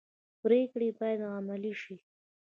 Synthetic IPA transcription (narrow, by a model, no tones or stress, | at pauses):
pɾekɽebɑjad̪ɣamaliʃi